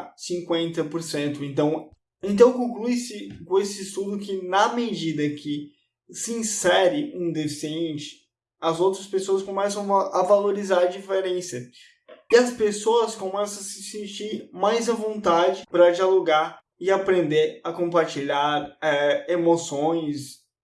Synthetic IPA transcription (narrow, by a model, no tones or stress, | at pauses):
sĩŋkwẽnt̪ɐpoɾsẽnt̪ʊẽnt̪ɐ̃w̃ | ẽnt̪̬ɐ̃w̃kõklujsɪkõesɪːst̪ud̪ʊkɪnɐmed͡ʒid̪ɐkʰɪ | sɪĩsɛɾɪũd̪esẽnt͡ʃɪ̥ | ɐzowt̪ɾɐspesoɐskõmɛsɐ̃w̃avaloɾizaɾɐd͡ʒifeɾẽsɐ | ɪɐspesoɐskõmɛsɐ̃sɪsẽt͡ʃiɾmajzɐvõnt̪ad͡ʒɪpɾɐd͡ʒialoɡaɾ | ɪapɾẽnd̪eɾɐkõpaɾt͡ʃiʎaɾɛemosõj̃s